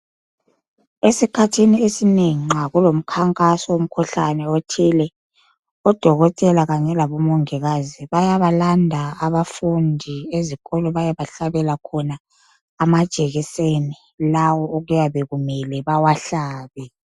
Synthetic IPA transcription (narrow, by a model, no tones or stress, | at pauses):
esikʰatʰiniesineŋiŋ͡ǁaɣulom̩kʰaŋkʼasɔwom̩kʰuɬanɛotʰilɛ | ɔd̥ʱɔɣɔtʼɛlaɣaɲɛlaβɔmɔŋɛɣaziβajaβalandʱaːβafundʱieziɣɔlɔβajaβaɬaβɛlakʰɔnaː | mad̥ʒ̥ʱɛɣiseni | lawɔoɣujaβeɣumɛlɛβawaɬaːβɛ